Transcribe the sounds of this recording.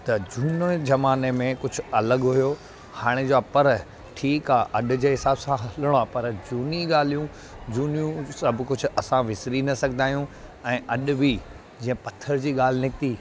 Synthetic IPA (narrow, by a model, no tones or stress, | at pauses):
t̪ɐd͡ʑuːnozɐmaːnemẽkʊd͡ʑʱʊ̆ɐləɠɦʊjo | haːɽ̃ed͡ʑoaːpɐɾ | ʈʰiːkaːʔɐɗʊ̆d͡ʑeːɦɪsaːbsãɦɐləɽ̃oaːpɐɾd͡ʑuːniɠaːl̤ijũ | d͡ʑuːnijũsɐbʱkʊd͡ʑʱʊ̆ɐsãʋɪsɾinɐsɐɡʱənd̪aːjũ | ɛ̃ːʔɐɗʊ̆bi | d͡ʑĩːə̃pɐt̪ʰəɾd͡ʑiːɠaːl̤ɪnɪkt̪iː